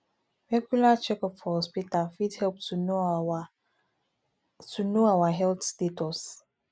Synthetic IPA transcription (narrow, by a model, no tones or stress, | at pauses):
ɹɛɡulat͡ʃɛkɔphɔɔspitalfidhɛlp̚tʰuno | tunoawaɦɛlt̪stetɔs